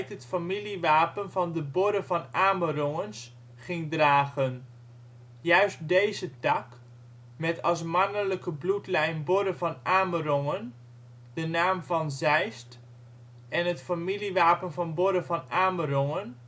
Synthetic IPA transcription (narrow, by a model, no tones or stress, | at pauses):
tətfamiliʋaːpənvɑndəbʊɾəvɑnaːmərɔŋəns | χɪŋdraːχən | jœɥst̚dejzətɑk | mɛtʰɑs̬manələkəblutlɛjnbʊɾəvɑnaːmərɔŋən | dənaːmvɑnzɛjst | ɛnɦətfamiliʋaːpənvɑnbʊɾəvɑnaːmərɔŋən